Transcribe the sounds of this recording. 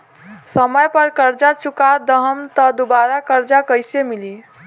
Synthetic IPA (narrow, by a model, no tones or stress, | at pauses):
səməjpəɾkəɾd͡ʒat͡ʃʰukad̪əɦəmt̪ɔd̪ubaɾakəɾd͡ʒakəjsemili